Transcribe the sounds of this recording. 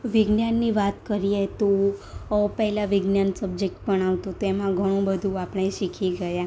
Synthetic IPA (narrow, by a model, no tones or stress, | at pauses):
ʋɪɡnjanːiʋat̪kəɾiet̪o | pəɦɛlaʋɪɡnjansəbd͡ʒek̚ʈ̚pəɳaʋt̪õt̪oemãɡʱəɽ̃õbəd̪ʱũapəɳ̃eʃikʰiɡəja